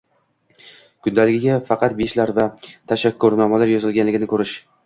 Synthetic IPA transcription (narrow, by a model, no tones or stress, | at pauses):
kʰʊnd̪alɪɡʲɪɡʲafɑqʰɑt̪̚beʃlaɾvat̪ʰaʃakːʊɾnɒmalaɾjɒzɪlɡʲanlɪɡʲɪnɪkʰɵɾɪʃ